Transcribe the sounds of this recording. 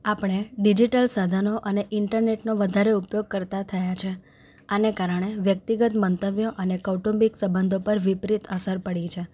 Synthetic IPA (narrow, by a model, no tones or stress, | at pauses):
apəɽ̃eɖid͡ʒiʈəlsad̪ʱanoʔəneʔɪɳʈəɾneʈnoʋəd̪ʱaɾeupjoɡ̚kəɾt̪at̪ʰəjat͡ʃʰe | anekaɾəɳ̃eʋjək̚t̪iɡət̪mənt̪əʋjoʔənekəʈõmbiksəbənd̪ʱopəɾʋipɾit̪əsəɾpəɽit͡ʃʰe